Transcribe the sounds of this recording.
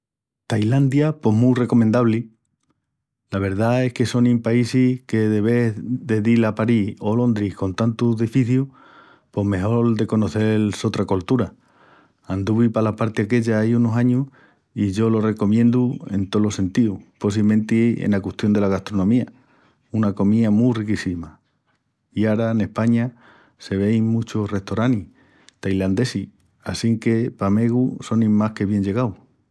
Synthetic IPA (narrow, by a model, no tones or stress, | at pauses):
t̪ajland̪japo̞ɦmure̞ko̞mẽnd̪aβli | laβ̞e̞ɾðae̞hke̞so̞nĩmpaisike̞ðe̞βe̞ðe̞ðilapaɾiho̞lõ̞nd̪ɾihko̞nt̪ant̪uðifiθju | po̞ɦme̞ɦo̞ld̪e̞ko̞no̞θe̞lso̞t̪ɾako̞lt̪uɾa | and̪uβipalapaɾt̪eake̞ʎaajunosaɲuh | iʝo̞lo̞re̞ko̞mjẽ̞nd̪ue̞̰nt̪o̞lo̞se̞nt̪iuposimẽ̞nt̪ieḛnakut̪jo̞nd̪e̞laɣast̪ɾo̞nõmia | unako̞miamurikisima | iaɾaene̞hpaɲa | se̞β̞e̞jmut͡ʃore̞ht̪o̞ɾani | t̪ajland̪e̞si | asiŋke̞pame̞ɣuso̞nĩmahke̞βje̞ɲʝe̞ɣaw